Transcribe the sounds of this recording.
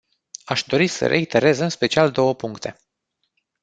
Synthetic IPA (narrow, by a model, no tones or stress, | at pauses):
aʃd̪o̞ɾisə̰ɾʔe̞̰it̪e̞ɾe̞zɨnspe̞t͡ʃiald̪o̞wəpuŋkt̪e̞